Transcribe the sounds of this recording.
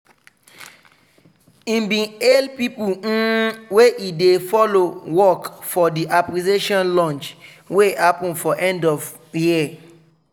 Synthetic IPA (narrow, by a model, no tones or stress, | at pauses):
ĩmbĩelpipũweʔidefɔlowɔkfɔdiʔaplizeʃɔ̃nlɔ̃nt͡ʃ | wehapɔ̃nfɔʔɛ̃ndɔv | jia